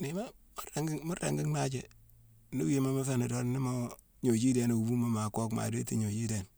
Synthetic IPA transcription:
ni˨ma˦mu˦a˨ŋɡi˦mu˦ɾa̰˨ŋɡi˦ŋna˦d͡ʒe˨ | nu˦je˦ma˦ma˦fe˦nu˨do˦n˦ni˦mo˦ | ɲo˨d͡ʒi˦de˨no˨u˨bu˦mo˨ma˨ko˦kma̰˨de˦ti˦˨ɲo˨d͡ʒi˦de˨n

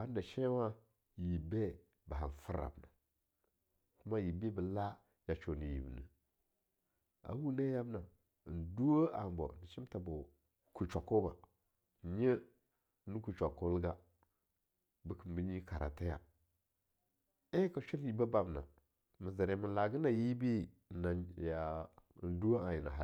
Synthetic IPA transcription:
a˦n˦da˨ʃe˦wa˦ | ji˨be˦ | ba˨ɦa˨n˨fə˦ɾa̰˨bna˨ | ku˦ma˦ji˨be˦bə˨la˦ | ja˨t͡ʃo˨ni˨jḭ˨bnə̰˨ | a̰˨˦wu˦ne˦ja˦bna˨ | n˨du˦wo˦a̰˨m˨bo̰˨n˨t͡ʃi˦m˦ta˨bo˨ | ku˨t͡ʃa˨ko˦ba˨ | ɲə˦ | nu˦ku˨t͡ʃʷa˨ko˦lɡa˦ | bə˦kə˨m˨bi˦ɲi˦ka˨ɾa̰˨ta˦ja˨ | e˦ka˨t͡ʃu˦n˦ji˨ba˦ba˨bna̰˨ | mə˨zə˨ɾe˨mi˨la˨ɡə˦na˨ji˦bi˦˨ | na˨ja˨n˦du˦wa˦a˨ji˨na̰˨ɦa˨

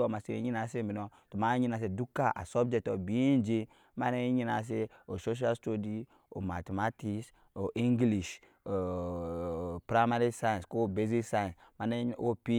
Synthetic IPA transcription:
o˨ma˨se˨ḛ˨˦ɲi˦na˨se˦mi˨no˨tu˨ma˦ɲi˦na˨s̬e˨du˦kːa˦ʔa̰˨so˦b̚d͡ʒɛ˦k̚tɔ˨bi˦i˦nd͡ʒe˦ | ma˦ne˦ɲi˦na˨s̬e˦o˨so˦ʃ̬a˦lsto˦di˦ | o˨ma˨te˨ma˦ti˦s | o˨ʔĩ˦ŋɡli˨ʃ | o˨ | pɾa˦ma˦ɾi˦sa˦j̃sko˦˨be˦zi˦ksa˦jsma˨ne˦o˦pi˦

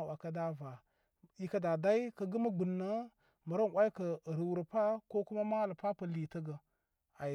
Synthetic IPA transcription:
wa˨ka˦da˦va˨ | i˦ka˦da˨da˦i˦kə˦ɡə˦ma˦ɡu˨nːa˦ | mə˨ɾa˦n˨wʷʔa˦i˦kə˨ɾə˨wu˨ɾə˨pa˦ko˦ku˦ma˦ma˦lə˨pa˦pa˨li˨tə˦ɡə˨ | a˨

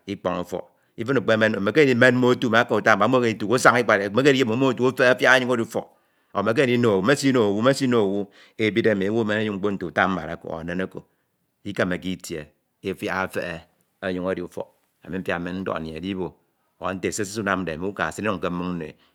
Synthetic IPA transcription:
i˦k͡po˨ŋu˦fɔ̰˨ | i˦fɨ˦nu˨k͡pe˦me˦n˨me˨ke˦di˦me˦n̩˦mo˦tu˦˨me˨a˦ka˦˨u˨ta˦m̩˦˨a˨˦o˦ke˦i˨tu˨ko˦sa˦ŋi˦k͡pa˨ɾme˦ke˦i˦e˦˨mo˨˦o˦tu˦o˦fe˦a˦fja˦a˦ɲu˦ŋo˦ɾi˦fo̰˨ | o˨me˨k̬e˦˨i˦no˨wu˨me˦si˦no˨o˨wu˦me˦si˦no˨o˨wu˦ | e˨˦bi˦de˦˨m˨˦wo˦me˦na˦ju˦ŋŋ͡m̩˦k͡po˦n̩˦tu˨u˨ta˦m̩˦ba̰˨ɾa˨ko̰˨a̰˨ne˦na˦ko̰˨ | i˦ka˦me˨ki˦tje˨ | i˦fja˦˨fḛ˦e˨ | a˦ɲu˦ŋo˦˨di˨u˦fɔ̰˨ | a̰˨mi˨m̩˦fja̰˨me˦n̩˦dɔ̰˦˨n˨e˨di˦bo˨ | a̰˨n̩˦te˨se˦si˦su˦na˦m˦de˨mi˨˦u˦ka̰˨si˦ni˦nu˦˨ŋ̩˨ke˦m̩˦mu˦ŋn̩˦nḛ˨

